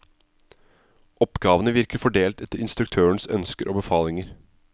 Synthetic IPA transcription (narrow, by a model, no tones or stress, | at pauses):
ʔɔpɡɑːʋənəʋɪɾkəɾfɔɖeːlt̪ɛt̪ːəɾɪnst̪ɾʉkt̪ʰøːəɳsœ̰nskəɾʔo̰ːbəfɑːlɪŋəɾ